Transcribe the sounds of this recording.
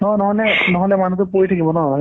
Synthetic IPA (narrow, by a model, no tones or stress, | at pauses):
hɔ̃nɔɦɔlɛnɔɦɔlɛmanutʊpojtʰakibɔnɔa